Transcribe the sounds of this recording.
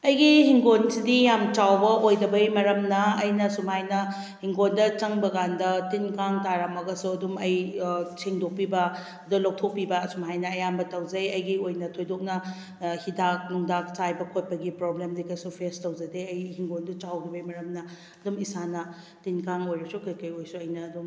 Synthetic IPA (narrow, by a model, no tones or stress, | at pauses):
ɐjɡihiŋɡonsidijamt͡ʃawbɐʔojdɐbɐjmɐɾɐmnɐɐjnɐsumhajnɐ | hiŋɡondɐt͡ʃɐŋbɐɡandɐtinkaŋtaɾamɐɡɐsuɐdumɐjsʰiŋdok̚pibɐ | ɐdulɐw̚tʰok̚pːibɐsumɦajnɐːjambɐtɐwd͡ʒɐjɐjɡiojnɐtʰojdok̚nɐ | hidak̚nuŋdakt͡ʃajbɐkʰot̚pɐɡipɾoblemdikɐjsupʰestɐwd͡ʒɐdeɐjhiŋɡondɐt͡ʃawɾibɐjmɐɾɐmnɐ | ɐdumisanɐ | tinkaŋojɾɐsukɐjkɐjojsuɐjnɐːdum